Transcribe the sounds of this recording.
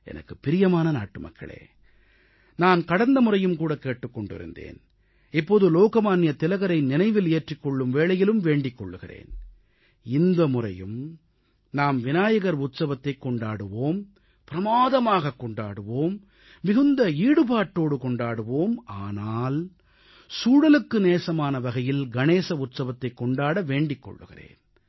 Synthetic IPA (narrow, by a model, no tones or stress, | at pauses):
ʔɛ̰nɐ̰kːɯpːɪɾɪjɐmaːnɐna̰ːʈːɯmɐ̰kʰːɐ̰ɭḛː | naːnkɐɽɐnd̪ɐmʊɾɐjɯmkuːɽɐkeːʈːɯkːɔɳɖɪ̰ɾɯ̰nd̪ḛːn | ɛpːoːðɯloːkɐmaːnɪjɐt̪ːɪlɐɣɐɾɐɪnɪnɐɪʋɪleːʈrɪkːɔɭːɯmʋeːɭɐjɪlɯmʋeːɳɖɪkːɔ̰ɭːɯɣɪrḛːn | ɪnd̪ɐmʊrɐjɯm | naːmʋɪnaːjɐɣɐɾʊt̪sɐʋɐt̪ːɐɪkːɔɳɖaːɽɯʋoːm | pɪɾɐmaːðɐmaːɣɐkːɔɳɖa̰ːɽɯʋoːmː | ɪɣɯnd̪ɐiːɽɯpaːʈːoːɽɯkɔɳɖaːɽɯʋoːmaːnaːl | suːɽɐlɯkːɯneːsɐmaːnɐʋɐɣɐjɪlɡɐneːsɐʊt̪sɐʋɐt̪ːɐɪkːɔɳɖaːɽɐʋeːɳɖɪkːɔ̰ɭːɯ̰ɣɪ̰rḛːn